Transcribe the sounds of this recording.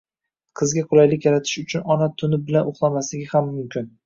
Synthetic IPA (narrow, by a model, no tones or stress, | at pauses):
qʰɨzɡʲaqʰʊlˠajlɪkʲjaɾat̪ʰɪ̥ʃʊt͡ʃʰʊnɒnat̪ʰʊnɪbɪlanoχlˠamaslɪɡʲɪhamːʊmkʲʰɪn